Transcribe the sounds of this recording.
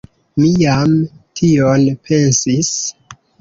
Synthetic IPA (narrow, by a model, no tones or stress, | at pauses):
mijamtʰionpʰe̞nsis